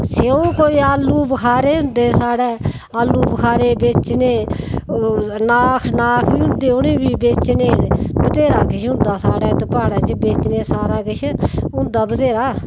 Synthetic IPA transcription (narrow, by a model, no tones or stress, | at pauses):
seõːkoːiːaːlːuːbəkʰaːɾeːʊ̃nd̪eːsaːɽɛː | aːlːuːbəkʰaːɾeːbeːt͡ʃneː | naːkʰnaːkʰbiːʊ̃nd̪eːʊnẽːbiːbeːt͡ʃneːbət̪eːɾaːkɪʃʰʊ̃nd̪aːsaːɽɛːt̪paːɽaːt͡ʃebeːt͡ʃneːsaːɾaːkɪt͡ʃʰʊ̃nd̪aːbət̪eːɾaː